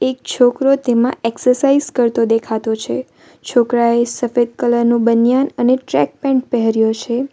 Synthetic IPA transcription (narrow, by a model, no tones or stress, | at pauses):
ek̚t͡ʃʰokɾot̪emãeksəɾsaizkəɾt̪od̪ekʰat̪ot͡ʃʰe | t͡ʃʰokɾaesəfed̪̚kələɾnũbənjanəneʈɾɛ̰k̚pɛ̃ɳʈ̚pɛɦəɾjot͡ʃʰe